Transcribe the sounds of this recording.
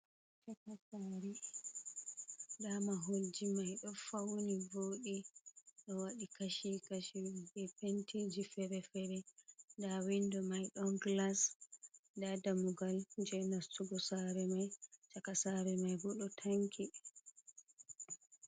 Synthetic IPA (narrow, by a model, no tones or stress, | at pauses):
t͡ʃakasaːɾi | ɗamaɦold͡ʒimajɗɔfawniboːɗiɗɔwaɗikaʃikaʃibɛpentʰid͡ʒifɛɾɛfɛɾɛndawindɔmajɗɔnɡlas | dadamuɡald͡ʒɛnastuɡɔsaɾɛmajt͡ʃakasaɾɛmajbɔɗɔtʰaŋkʰi